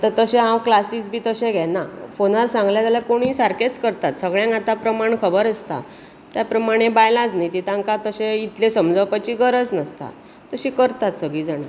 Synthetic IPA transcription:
t̪əɾt̪əɕẽɦãwklasiːsbʱiːt̪əɕẽɡʱɛnafonaɾsãŋɡljat̪jalakoɽ̃ĩːsaɾket͡skəɾt̪at̪səɡɭjãŋkat̪apɾəmaɳkʰəbəɾəst̪a̰ | t̪japɾəmaɽ̃ebajlad͡znajt̪it̪ãŋkat̪əɕẽit̪lesəmd͡zəwpat͡ɕiːɡəɾət͡snəst̪a̰ | t̪əɕiːkəɾt̪at̪səɡɭiːd͡zaɽ̃a

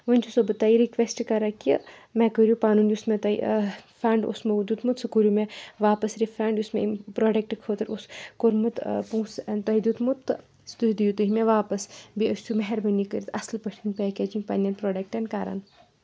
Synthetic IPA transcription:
ʋənʲt͡ʃʰusobɨt̪aːiɾikʋesʈkaɾakimekəɾjupaːnuːnjusmẽt̪ɐḭfʰɾaːɳɖṵsmɐʋd͡ʒ̪uːt̪mut̪sɨkuɾjumeʋaːpɐsɾifʰɾãːɳɖjusmepɾoːɖɐk̚ʈkʰoːt̪ɐɾuskoɾmɨt̪pũːsnt̪ɐɦid̪ut̪mut̪ː | st̪ud̪ijut̪uɦimẽʋaːpɐsbiɐsʲt͡ʃʰumɐɦɛɾbɐnikəɾit̪ʰɐslpɐʃɐnpeːkeːd͡ʒiŋpɐnjɐnpɾoːɖɐk̚ʈɐnkaːɾɐ̰n

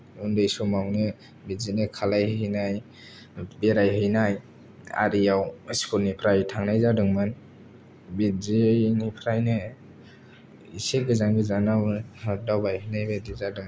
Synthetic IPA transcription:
undɯjsumawnɯ | bizinɯkʰalajɦɯjnaj | beɾajɦɯjnaj | a̰ɾijawskʰuɾnipʰɾajtʰaŋnajzadɯŋmɯn | bizinipʰɾajnɯ | iseɡɯzaŋɡɯzanawhadawbajhɯjnajbedizadɯŋ

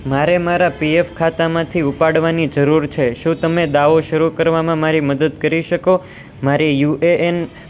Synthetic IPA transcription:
maɾemaɾapiefkʰat̪amãt̪ʰiupaɽʋanid͡ʒəɾuɾt͡ʃʰeʃũt̪əmed̪aʋoʃəɾukəɾʋamãmaɾiməd̪əd̪kəɾiʃəko | maɾijuʔeʔen

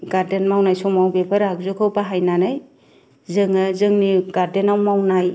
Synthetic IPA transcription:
ɡaɾdenmawnajsɔmawbepʰaɾak̚zukʰawbaɦajnanaj | zɯŋazɯŋniɡ̥aɾdenawmawnaj

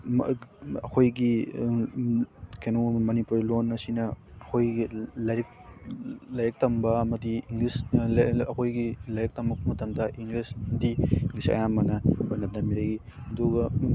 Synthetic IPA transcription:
ɐ̰kʰojɡi | kʰenumɐnipuɾilonːɐsinɐɐkʰojɡilɐɾik̚ | lɐjɾɐk̚tɐmbɐɐmɐdiiŋɡlisɐkʰojɡilɐjek̚tɐmbɐk̚pɐmɐtɐmdɐʔiŋɡlishindiiŋɡlisɐ̰jamːɐnɐojnɐdɐmiɾɐɡi | ɐduɡɐ

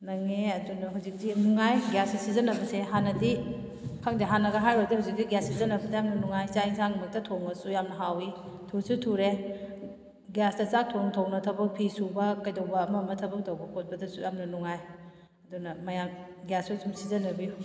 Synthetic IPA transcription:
nɐŋeɐdunɐɦuwzik̚dinuŋajɡjasisizɐnɐbɐseɦanɐdi | kʰaŋdiɦanɐɡɐɦajɾodihuwzik̚diɡjassizɐnɐbɐdɐjamnɐnuŋajt͡ʃaiŋsaŋmɐk̚tɐtʰoŋɐsujamnɐɦawi | tʰusutʰuɾe | ɡjasdɐt͡ʃak̚tʰoŋtʰownɐtʰɐbɐk̚pʰisubɐkɐjdowbɐːmɐmɐtʰɐbɐk̚dɐwbɐkʰot̚bɐdɐsujamnɐnuŋaj | ɐdunɐmɐjamɡjasusumsizɐnɐbiju

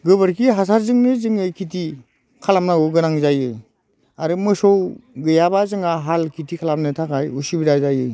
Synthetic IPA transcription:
ɡɯβɯɾkʰiɦas̬aɾzɯŋnɯzɯŋɯkʰiti | kʰalamnaɡɯɡɯnaŋzajɯj | aɾɯmɯsɔwɡɯjabazɯŋaɦalkʰitʰikʰalamnɯtʰakajusibiɾazajɯj

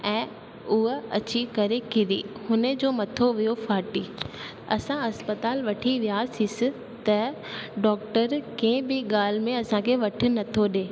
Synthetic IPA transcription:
ɛ̃ː | ʊɦɐt͡ɕikɐɾekɪd̪ihʊnəd͡ʑoːmɐt̪ʰoʋijofaːʈiː | ɐsãɐspət̪aːlʋɐʈʰiʋijasisɪ̆ | t̪ɐ | ɖɔːk̚ʈəɾkɐ̃ɪ̃bɪɠaːl̤ɪmẽɐsãkʰeːʋɐʈʰɪ̆nɐt̪ʰoɗeː

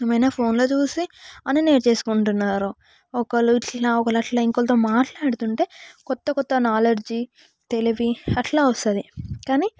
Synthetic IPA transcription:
eːmɐjnaːpʰo̞ːnloːt͡ʃuːsiɐnine̞ːʈt͡ʃe̞ːsu̥kuɳʈunːaːɾu | ɔkɐluiʈlaːɔkɐlɐʈlɐiŋkolt̪omaːʈlaːɽut̪uɳʈe̞ːkɔt̪ːɐkɔt̪ːɐnaːlɐɾd͡ʒi | t̪e̞liʋiɐʈlaːʋɐst̪ɐd̪ikaːni

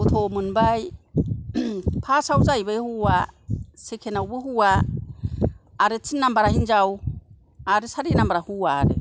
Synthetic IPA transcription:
utʰomɯnbaj | pʰasawzajbajhuasekʰenawbɯɦua | ɾet͡sʰinːambaɾaɦind͡ʒaw | aɾesaɾinambaɾahuaɾe

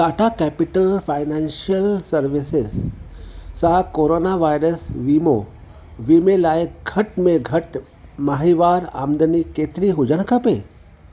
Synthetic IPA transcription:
t̪aːʈʰakɛpɪʈəlfʰaːɪnɛnʃiəlsəɾʋisɪs | sakoːɾonaʋaːjɾəsʋimo | ʋimẽlaːjəkɡʱɐʈmẽɡʱɐʈ | maɦiʋaːɾa̰ːmd̪ənikeːt̪ɾiɦʊd͡ʒəɽ̃kape

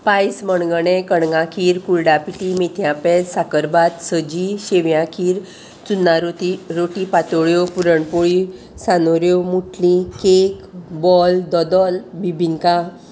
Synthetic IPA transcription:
pajsməɳɡəɳekəɳɡãkʰiːɾkulɖapiʈimet̪ʰjãpɛsakəɾbat̪səd͡ʑiɕeʋjãkʰiːɾ | t͡sunːaɾoiɾoʈipat̪ɔɭjopuɾəɳpoɭi | sanoɾjomuʈʰlĩkekbɔld̪ɔd̪ɔlbibʱiŋka

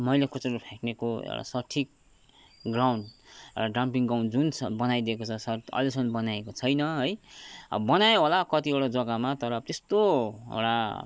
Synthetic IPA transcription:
mʌjlekʰut͡seɾopʰeknekoḛwɽa̰sʌʈʰik̚ | ɡrawɳɖewʈaɖrampiŋɡawnd͡zunt͡sʰʌbʌnajd̪ekot͡sʰʌsʌrʌ̰lesʌnbʌnajekot͡sʰʌjnʌɦʌj̰bʌnajoɦolakʌt̪ieɽad͡zʌɡamat̪ʌɾʌt̪est̪oḛwɽa̰

